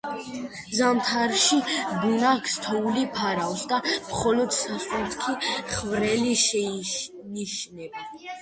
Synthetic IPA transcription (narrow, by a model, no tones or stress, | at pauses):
zamt̪ʰaɾʃibunakʰst̪ʰɔulipʰaɾawsd̪amχɔlɔd̪sasʼut̪kʰiχvɾɛliʃɛ | niʃnɛb